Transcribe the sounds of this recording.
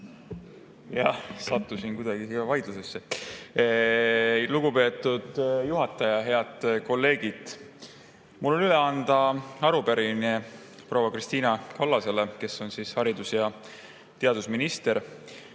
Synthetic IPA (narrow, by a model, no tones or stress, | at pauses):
jɑsɑt̪ːusinkujd̪ɑɡ̥isiɑvɑjd̪̥lusesːe | luɡupe̞ːt̪ːˑud̪̥juɦɑt̪ːˑɑjɑɦe̞ɑd̪̥ko̞lːe̞ːɡ̥id̪̥ | mulːo̞nyleɑnd̪̥ɑɑɾupeɾine | prowɑkrist̪iːnɑkɑlːɑse̞le̞ke̞sːo̞nsiːshɑɾid̪usjɑ | t̪e̞ɑd̪̥usminist̪e̞ɾ